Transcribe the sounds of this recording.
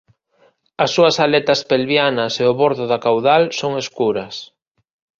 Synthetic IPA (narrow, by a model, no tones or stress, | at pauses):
ɐsːuɐsalet̪ɐspelβjanɐseʊβoɾðʊðakawðalsoŋeskuɾɐs